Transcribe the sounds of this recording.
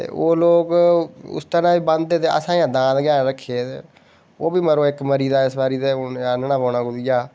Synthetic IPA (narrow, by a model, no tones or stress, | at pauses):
t̪ḛːʔoːloːkʊ̰st̪əɾãːʋiːbə̃nd̪d̪eːt̪eːə̰sãːjãːd̪ãːd̪ɡjãːnːɾəkʰːeːt̪ḛː | oːbiːməɾoːɪkməɾiːd̪aːɪsbaːɾiːd̪eːaːnənãːbaːnãːɡʊd̪ɪjaː